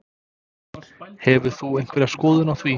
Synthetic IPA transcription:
hɛvʏ̥θuejŋ̥kvɛɾaskɔːðʏnawθviː

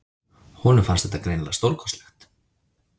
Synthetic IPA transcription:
hɔːnʏfansɛt̪akɾejnlast̪owɾkʰɔ̥slɛxt̪

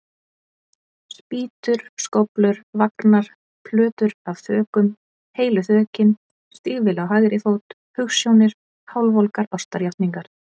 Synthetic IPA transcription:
spiːt̪ʏɾ̥skowplʏɾvaknaɾ̥ | pʰlœːt̪ʏɾavθœːkʏm | heːjlʏθœːcɪn | st̪iːɣvɪlawɦajɣɾɪθowt̪ | hʏxsjownɪɾ̥ | hawlvowlkaɾɔst̪aɾjaht̪niŋkaɾ̥

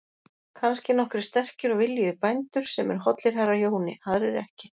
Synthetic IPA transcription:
kʰanscɪn̪ɔhkɾɪst̪ɛr̥cʏɾɔɣvɪljʏpajnt̪ʏɾ̥sɛmɛɾ̥ɦɔt̪lɪɾ̥ɦarːajoːwnɪ̰aɾɛɾɛhcɪ

